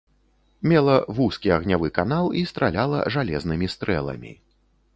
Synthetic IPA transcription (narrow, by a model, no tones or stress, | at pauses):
mʲɛlˠɐvuskʲiɐɣnʲavɨkanalˠist̪ɾalʲalˠɐ̰ʐalʲɛznɨmʲist̪ɾɛ̰lˠɐ̰mʲḭ